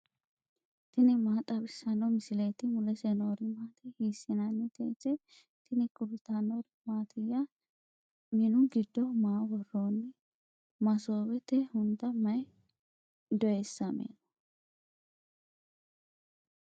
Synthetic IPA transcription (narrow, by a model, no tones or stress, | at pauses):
t̪ɪnɪmaːt̪ʼɐbɪsːɐnːɔmɪsɪlet̪ɪmʊlɛsenoːɾɪmaːt̪ʰɛhiːsɪnɐnːɛt̪ɛtɛ | t̪ɪnɪkʼʊɾɪt̪ːanoɾ | maːt̪ʰɪjːɐ | mɪnʊɡɪd̪ːɔmaːwɔroːnːɪ | mɐsoːbɛt̪ɛhʊnd̪ɐmɐj | d̪ɔesːɐmḛːnɐ̥